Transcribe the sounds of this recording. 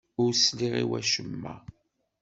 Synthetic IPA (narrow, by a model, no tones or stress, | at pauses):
ʊɾsliʁḭwæʃəmːæ